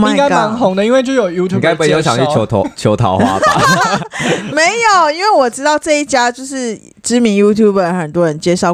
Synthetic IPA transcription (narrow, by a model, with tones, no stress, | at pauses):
mai˥˧˩ɪka˥ma˧˦nɦʊ˨˥˦ŋd̪ə˨i˥nwe˥˧t͡ɕjo˥˧˩jo˨˩ʊju˥t̪ʰŋka˥ɪpu˧˩˨jo˧˥ʊɕjɑ̰˨˦ly˥˩jo˧˥ʊ˧t͡ɕʰo˧˦ʊt̪ʰɑ̰˨˦ʊxwa̰˥bə˧˨˦ | me˨˦ɪjo˨˩ʊi˥nwe˥˩wɔ˨˩ʈ͡ʂɻ̩˥t̪ɑ˥˧ʊʈ͡ʂɤ˥˧i˥˩t͡ɕja˥t͡ɕjo˥˧ʊʂɻ̩˥˩ | ʈ͡ʂɻ̩˥mi˧˥ŋju˥t̪ʰju˥˩bə˨˩ə˨xə˨˩nt̪wɔ˦˥ɻə˧˦nt͡ɕjɛ˥ʂɑ˥˧ʊ